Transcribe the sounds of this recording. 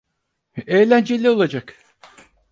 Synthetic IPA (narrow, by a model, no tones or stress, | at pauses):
ejlʲænd͡ʒelʲio̞lˠad͡ʒak